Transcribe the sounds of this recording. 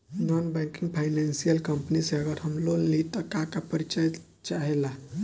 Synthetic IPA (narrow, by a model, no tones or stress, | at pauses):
nɔnbakĩŋɡpʰajnansijəlkəmpniseəɡəɾɦəmlollit̪əkakapəɾit͡ʃaj | t͡ʃaɦela